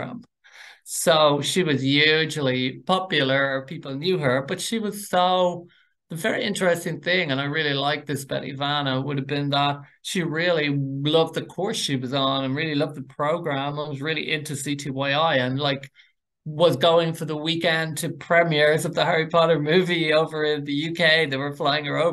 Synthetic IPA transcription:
m | soʊʃiwʌzjʉd͡ʒʒl̩ˠipʰɑpjl̩ˠə˞əpʰipl̩ˠnjʉə˞b̥ʌtʃiwʌz̥soʊ | ðəvɛɹiʔɪ̰̃nt͡ʃə̥˞ɛstɪ̃ŋθɪ̃ŋə̃ñaɪɹɪlˠilaɪk̚ðɪsb̥ɛ̰ɾḭvanəwʊɾɨvbɪ̃nðət̚ʃiɹɪlˠilʌvðəkʰɔɹsʃiwʌzn̩ə̃nɹɪlˠilʌvðəpʰɹ̥oʊɡɹæ̃mãɪwʌzɹɪlˠḭʔɪ̃ntʰɹɨsitʰiwaɪaɪə̃nlaɪk | wʌzɡoʊɪ̃ŋfə˞ðəwikɛ̃ndtʰɨpʰɹ̥ɛmɛɹzʌvðəhɜɹipʰɑɾə˞mʉvioʊvə˞ɪ̃nðɨjʉkʰeɪðeɪwə˞flaɪɪ̃ŋə˞oʊ

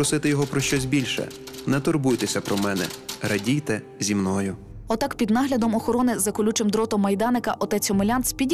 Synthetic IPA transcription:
ɾɔsɪt̪ɪjɔɦɔpɾɔʃt͡ʃɔzʲbʲilʲʃɛ̰ | nɛt̪ɔrbujt̪ɛsʲɐpɾɔmɛnɛ̰ɾʔɐdʲijt̪ɛ | zʲimnɔjʊ | ɔt̪ɑkpʲid̪nɑɦlʲɐd̪ɔmɔxɔɾɔnɪzɐkʊlʲut͡ʃɪmd̪ɾɔt̪ɔmːɐjd̪ɑnɪkɐʔɔt̪ɛt͡sʲɔmelʲɑnt̪sʲpʲidʲ

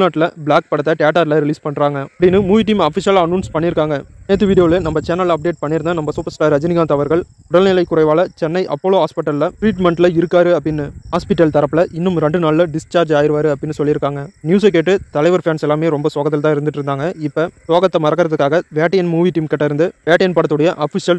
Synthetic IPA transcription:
naːʈːɪlɐbɭaːk̚pɐɽɐt̪ːɐʈɪjaːʈaːɾlɐɾɪliːspɐɳːɾaːŋɡɐɐpːɐɽɪnːɯmuːʋiːʈ̬iːmaːfɪʃjɐːlɐnːuːnspɐɳːɪɾɯkːaːŋɡɐneːt̪̬ːɯʋiːɽɪjoːlɯnɐmbɐt͡ʃɛnɐlɐp̚ɖeːʈ̚pɐɳːɪɾɯnd̪anɐmbɐsuːpɐɾsʈaːɾɐd͡ʒɪnɪɣaːt̪ɐʋɐɾɣɐɭ | ʊɽɐlnɪlɐɪkːʊɾɐɪʋaːlɐt͡ʃɛnːɐɪʔɐpːoːloːɦaːspɪʈːɐllɐʈɾiːʈmɛɳʈlɐɪɾɯkːaːɾɯɐpːɐɽɪnːɯhaːspɪʈːɐlt̪ɐɾɐpːlɐʔɪnːɯmɾɛɳɖɯnaːɭlɐɖɪst͡ʃaːɾd͡ʒaːjɪɾɯʋaːɾɯɐpːɽɪnːɯsɔlːɪɾɯkːaːŋɡɐnjuːs̬ɐk̬ːeːʈːɯt̪ɐlɐɪʋɐɾfjaːnsɛlːaːmeːɾɔmbɐsoːɣɐt̪ːɪlt̪ãːɪɾɯnd̪ɯʈːɪɾɯnd̪aːŋɡɐɪpːɐsoːɣɐt̪ːɐmɐɾɐkːɪɾɐðɯkːaːɣɐʋjaːʈːɐjɐnmuːʋiʈiːmkɪʈːɐɪɾɯnd̪ɯʋeːʈɐjɐnpɐɽɐt̪ːɯɽɐjɐʔaːfɪʃɪɐl

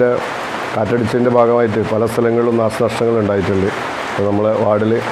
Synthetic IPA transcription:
e | kaːtːɐɽit͡ɕːɐðinde̞bʱaːɡɐmaːjiʈːɨpɐlɐst̪ʰɐlɐŋːɐɭilonaːʂɐnɐʂʈɐŋːɐɭuɳɖaːjiʈːuɳɖɨ | iponɐmːɐɭʋaːɽil

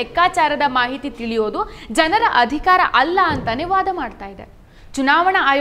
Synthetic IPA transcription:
ɛkːaːt͡ʃaːɾɐd̪ɐmaːɦit̪it̪iɭijoːd̪ud͡ʒɐnɐɾɐʔɐd̪ʱikaːɾɐ̰ʔɐlːɐːnt̪ɐniʋaːd̪ɐmaːɖt̪aːjid̪ḛ | t͡ʃunaːʋɐɳɐaːj

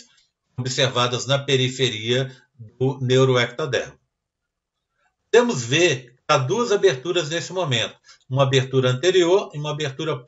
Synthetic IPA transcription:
obiseɾvad̪ɐznɐpeɾifeɾiɐ | d̪ʊnewɾoɛk̚t̪ad̪ɛ̰ɾmʊ | d̪ẽmʊzveɾ | ad̪uɐzabeɾt̪uɾɐznesɪmõmẽnt̪ʊ̥ũmɐabeɾt̪uɾɐɐ̃nt̪eɾioɾiũmɐabeɾt̪uɾɐ

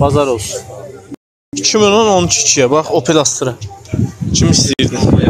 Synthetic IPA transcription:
b̥ɑzɑɾolˠsu | t͡ʃʰimolonont͡ʃʰi̥t͡ʃʰijabɑχopʰelɑst̪ɾa | t͡ʃʰimisd̪iiɾd̪in

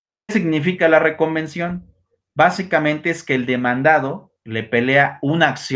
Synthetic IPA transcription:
kesiɣnifikalare̞ko̞mbe̞nsjo̞n | basikamẽnt̪eeske̞ːld̪e̞mãnd̪aðo̞ | le̞pe̞le̞aunaːks

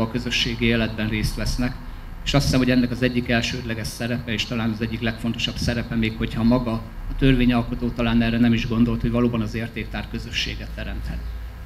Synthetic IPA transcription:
ɒkø̞zø̞ʃːeːɡieːlɛd̪bɛnreːst̪ʋɛsnɛk | eːʃɒst̪hisɛmho̞ɟɛnːɛkɒzɛɟːikɛlʃøːd̪lɛɡɛʃsɛɾɛpɛeːʃt̪ɒlaːnɒzɛɟːiklɛkfo̞nt̪o̞ʃɒbsɛɾɛpɛmeːkho̞chɒmɒɡɒːt̪ø̞rveːɲɒlko̞t̪oːt̪ɒlaːnɛːrɛnɛmiʒɡo̞nd̪o̞lt̪hoɟvɒloːbɒnɒzeːrt̪eːk̚t̪aːr̚kø̞zø̞ʃːeːɡɛt̪ːɛɾɛmt̪hɛt̪̚

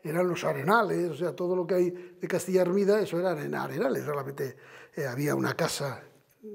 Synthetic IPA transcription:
eɾanlo̞saɾenalesoseat̪oð̞olo̞keajðekast̪iʎaeɾmiðaesoeɾanena̰ɾenalesrealamẽnt̪eaβiaṵnʔakasa

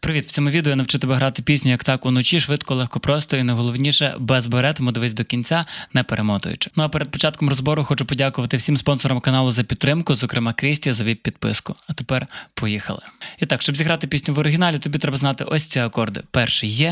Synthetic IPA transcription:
pɾɪʋʲit̪w̥t͡sʲɔmʊʋʲid̪ejɔnɐwt͡ʃɪt̪ɪbɛɦɾɑt̪ɪpʲisʲnʲʊjɐkt̪ɑkʊnɔt͡ʃiʃʋɪt̪kɔlˠɛxkɔpɾɔst̪ɔinɐjɦɔlˠɔwnʲiʃɛ̰bɛzbɐɾɛt̪ɔmʊd̪ɪʋɪzʲd̪ɔkʲinʲt͡sʲanɛpeɾʔemɔt̪ʊ̰jʊ̰t͡ʃɪ̥nʊɐpɛɾed̪pɔt͡ʃɑt̪kɔmrɔzbɔɾʊxɔt͡ʃʊpɔdʲakʊʋɐt̪ɪwsʲimspɔnsɔɾɐmkɐnɑlˠʊzɐpʲit̪ːɾɪmkʊzɔkɾɪmɑkɾʲɪsʲtʲiɐzɐʋʲip̚ʲpʲid̪̚pɪ̰skʊɐt̪epɛrpɔjixɐ̰lˠɪ̰it̪ɑkʃt͡ʃɔbzʲiɦɾɑt̪ɪpʲisʲnʲʊʋɔɾɪɦʲinɑlʲit̪ɔbʲit̪ɾɛbɐznɑt̪ɪ̰ʔɔsʲt͡sʲiɐkɔrd̪ɪ̰pɛrʃɛjːɛ

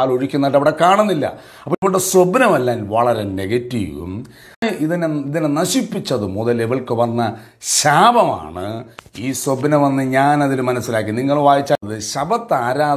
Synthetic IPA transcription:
ɭo̞ɻikʲːunːɐɖɐʋiɽekaːɳunːilːɐ̰ | ɐpːoːiʋoɽesobnɐmelːaːnʋɐɭɐɾe̞neɡɐtːiʋṵm | ʔiðineiðinenɐɕipːit͡ɕːɐðɨmuðɐleʋiɭkɨʋɐnːɐ | ɕaːbɐma̰ːɳɨ̰iːsobnɐmʋɐnːɨɲaːnɐðilɨmɐnɐsːilaːk̬ːiniŋːɐɭʋaːjit͡ɕːaðɨɕɐbɐt̪ːaːɾaː

